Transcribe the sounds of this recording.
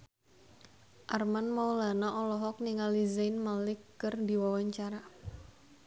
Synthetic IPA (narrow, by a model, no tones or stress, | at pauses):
ʔarmanmaulanaʔɔlɔɦɔk̚niŋalizanmalɪkːərdi̤wawaɲt͡ʃaɾa